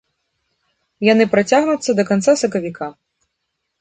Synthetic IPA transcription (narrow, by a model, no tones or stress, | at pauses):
janɨpɾat͡sʲaɣnut̪sːɐd̪ɐkant̪sasɐkɐvʲikʰa